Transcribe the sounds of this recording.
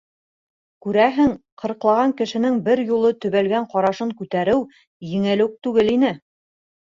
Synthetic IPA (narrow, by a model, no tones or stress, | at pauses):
kʉɾæɦɘŋqʰɤ̆ɾ̆qlˠɑʁɑŋkɘ̆ʃɘ̆nɘŋbɘɾjulˠɤt̪ɵ̆βælɡæɴqɒɾɑʃɤŋkʉt̪æɾɘw | jɘ̆ŋɘ̆lɘk̚t̪ʉɡɘlin̪ɘ